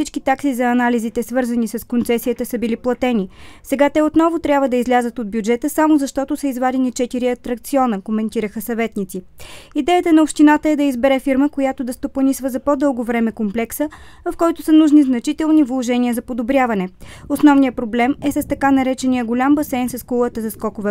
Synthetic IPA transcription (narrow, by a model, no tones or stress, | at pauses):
sit͡ʃkit̪aksizɐːnalizit̪ɛsvɤɾzənisɐskont̪sɛsiət̪əsəbiliplˠɐt̪ɛnisɛɡat̪ɛot̪nɔvot̪ɾʲjabvəd̪ɐizlʲazət̪od̪̚bjud͡ʒɛt̪əsamozɐʃt̪ɔt̪osəizvad̪ɛnit͡ʃɛt̪iɾiɐt̪ɾɐk̚t̪siɔnəkomɛnt̪iɾəxəsɐvɛt̪nit̪siid̪ɛjət̪ənɐopʃt̪inat̪əɛd̪ɐizbɛɾɛfiɾməkojat̪od̪ɐst̪opɐnisvəzɐpod̪ɤlˠɡovɾɛmɛkomplɛksəvɐfkɔjt̪ʊsənuʒniznɐt͡ʃit̪ɛlˠnivlˠoʒɛniəzɐpod̪obɾʲavɐnɛosnɔvnijəpɾoblɛmɛsəst̪ɐkanɐɾɛt͡ʃɛniəɡolʲambɐsɛjnsɐskulˠət̪əzɐskɔkovɛ